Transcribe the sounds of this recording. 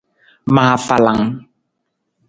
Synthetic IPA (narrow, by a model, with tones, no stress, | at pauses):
ma˨a˨fa˨la˨ŋ